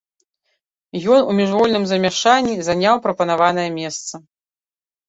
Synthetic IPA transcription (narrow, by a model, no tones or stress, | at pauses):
jɔnumʲiʐvɔlʲnɨmzɐmʲaʂanʲːizanʲawpɾɐpɐnavan̪ɐjɐmʲɛst̪sɐ